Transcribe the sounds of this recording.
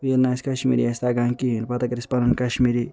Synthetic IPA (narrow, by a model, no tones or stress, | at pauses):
jelnaːskɐʃmḭːɾijast̪aɡaŋkinpɐt̪ɐkɐɾispɐnɐnkɐʃmiːɾi